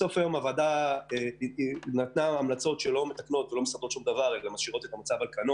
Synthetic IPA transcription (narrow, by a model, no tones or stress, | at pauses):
so̞fajo̞mavadae | nat̪naːmlat͡so̞tʃelo̞met̪akno̞t̪velo̞mesaʁd̪o̞t̪ʃumd̪avaʁeelamaʃiʁo̞t̪e̞t̪amat͡savalkano